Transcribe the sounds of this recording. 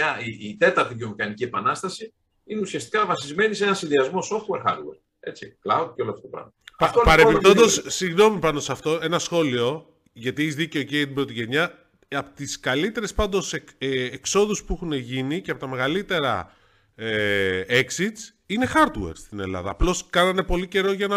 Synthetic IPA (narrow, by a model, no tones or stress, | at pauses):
ɐiit̪e̞t̪ɐɾt̪iðio̞mixɐnicie̞pɐnɐst̪ɐsi | ineusiɐst̪i̥kɐvɐsizme̞niseenɐnsinðiɐzmo̞so̞ft̪we̞ɾxɐ̰ɾd̪weɾ | e̞t͡siklɐwd̪̚ceo̞loɐft̪ot̪opɾɐ̰vmɐppɐɾeppip̪ond̪ossiɣno̞mipɐno̞sɐft̪o̞e̞nɐsxo̞lio̞ | ʝɐt̪ieçizðice̞ocet̪ibɾo̞t̪iʝe̞ɲɐ | ɐpot̪iskɐlit̪e̞ɾe̞spɐnd̪o̞seːkso̞ðuspuexuneʝiniceɐpo̞t̪ɐme̞ɣɐlit̪e̞ɾɐ̰ | eeksit̪s | ine̞xɐɾd̪we̞̰ɾst̪ine̞̰lɐ̰ðɐ̰ːplo̞skɐnɐne̞po̞lice̞ɾo̞ʝɐnɐ